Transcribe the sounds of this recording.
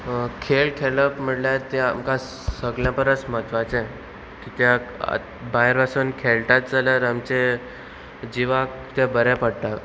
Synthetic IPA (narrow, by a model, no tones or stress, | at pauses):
kʰelkʰeləpm̤əɽljaɾt̪iamkã | səɡljãpəɾət͡sm̤ət̪ʋat͡sɛ̃ | kit̪jaa̰ | baɦeɾʋasuːnkʰelʈat̪̚d͡zalaɾamt͡ɕe | d͡ʑiʋak | t̪jabəɾɛpəɽʈ̪a